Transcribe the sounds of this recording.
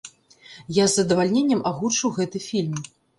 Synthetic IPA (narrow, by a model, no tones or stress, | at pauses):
jazːɐd̪ɐvalʲnʲenʲːɐmaɣut͡ʂɨwɣɛt̪ɨfʲilʲm